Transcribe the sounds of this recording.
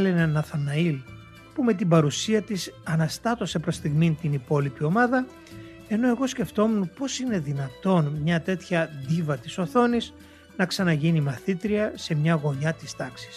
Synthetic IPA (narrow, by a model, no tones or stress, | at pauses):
lenenɐθɐnɐil | pume̞t̪̬ibɐɾusiɐt̪isɐnɐst̪ɐt̪o̞se̞pɾost̪iɣmint̪inipo̞lipio̞mɐðɐ | e̞no̞e̞ɣo̞sce̞ft̪o̞mupo̞sine̞ðinɐt̪o̞nmɲɐt̪e̞t̪çɐðivɐt̪iso̞θo̞nis | nɐksɐnɐʝinimɐθit̪ɾiɐse̞mɲɐɣo̞ɲɐt̪ist̪ɐksi̥s